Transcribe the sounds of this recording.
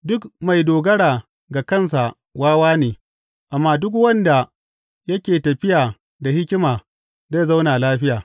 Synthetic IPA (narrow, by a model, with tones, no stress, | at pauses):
dʊ˦kma˨jdoː˨ɡɐ˦ɽaː˨ | ɡa˨kɐ˦˨ns̬a˨ | waː˦waː˦neː˨ | ʔa˨mːaː˦dʊ˦k̬wɐ˦nda˨ | jɐ˦kʲeː˨tɐ˨ɸɪ˦jaː˨ | da˨hɪ˦kʲɪ˦maː˨ | za˦˨za˦wnaː˨laː˦ɸɪ˦jaː˨